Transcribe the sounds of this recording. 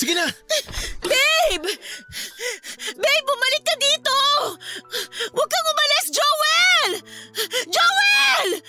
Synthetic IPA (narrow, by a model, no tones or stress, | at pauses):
sɪɡina | bɛjb | bɛjbʊmɐlɪkːɐd̪iːt̪o | wɐɡ̚kɐŋʊmɐlɛsd͡ʒowɛl | d͡ʒowɛl